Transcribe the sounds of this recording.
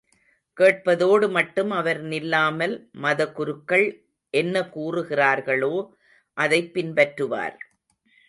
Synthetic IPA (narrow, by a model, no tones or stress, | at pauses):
keːʈ̚pɐðoːɽɯmɐʈːɯmɐʋɐɾnɪlːaːmɐlmɐðɐkːʊɾɯkːɐɭ | ʔɛnːɐkuːrɯɣɪraːɾɣɐɭoː | ʔɐðɐɪpːɪnbɐʈɾɯʋa̰ːɾ